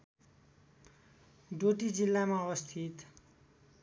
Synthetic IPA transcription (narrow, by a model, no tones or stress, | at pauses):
ɖoʈid͡zilːamaʌβʌst̪ʰit̪